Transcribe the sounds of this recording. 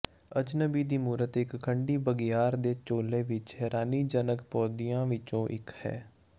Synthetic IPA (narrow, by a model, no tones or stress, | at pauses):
əd͡ʒnəbiːd̪iːmuːɾət̪ɪkkʰəɳɖiːbəɡɪjaːɾd̪eːt͡ʃoːlːeːʋɪt͡ʃhɛːɾaːniːd͡ʒənəkpɔːd̪ijãːʋɪt͡ʃõːʔɪkhɛ̰ː